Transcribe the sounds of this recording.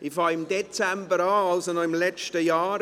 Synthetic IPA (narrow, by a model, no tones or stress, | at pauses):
ɪfɑːɪmdet͡sɛmbəɾaːalsonɔɪmlɛt͡ʃtəjaːɾ